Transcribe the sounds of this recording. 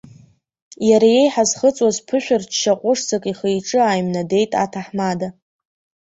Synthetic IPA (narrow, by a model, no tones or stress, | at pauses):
jaɾaje̞jħazχət͡sʼwazpʰɨʃʷᶣʊrt͡ʃʰʃaqʷʼʊʂt͡sʰakʼiχejʈ͡ʂʼɨaːjmnade̞jtʼa̰tʰaħmada